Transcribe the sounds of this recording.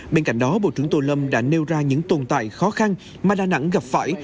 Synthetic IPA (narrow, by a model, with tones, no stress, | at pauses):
ɓe˧nka̰˧˩jŋ̟ɗɔ˨˦ɓo̰˧˨t͡ɕɨ˧˩əŋt̪o˧lə˧mɗa̰ː˧˥ne˧wzaː˧ɲɨ̰˧˥ŋt̪o˨˩nt̪a̰ː˧˨jxɔ˨˦xa˧n | maː˨˩ɗaː˨˩na̰˧˥ŋɣa˨˩p̚fa̰ː˧˩j